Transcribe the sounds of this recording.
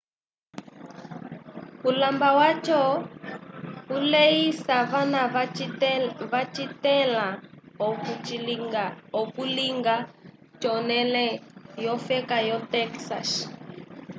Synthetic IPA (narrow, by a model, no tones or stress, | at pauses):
ulambawat͡ʃɔ | ulejisaβana | βat͡ʃitɛla | ɔkuliŋɡa | t͡ʃɔnɛlɛjɔfɛkajɔtɛksa̰s